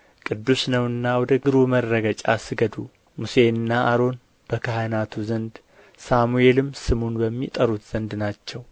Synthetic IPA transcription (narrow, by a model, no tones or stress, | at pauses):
kʼɨd̪ːusnəwɨnːawɔd̪əɡɨɾumərːəɡət͡ʃʼasɨɡəd̪u | muse̞nːaaɾo̞n | b̥əkʰahənat̪ʰuzənd̪ | samue̞lɨmːsɨmunbəmːit̪ʼəɾut̪z̥ənd̪nat͡ʃːɛw